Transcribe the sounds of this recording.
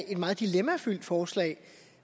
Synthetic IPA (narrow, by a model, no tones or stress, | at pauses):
e̝d̥mɑ̈ːð̩ˠd̥ilemæfyl̰d̥fɒːslɛ̰ɪ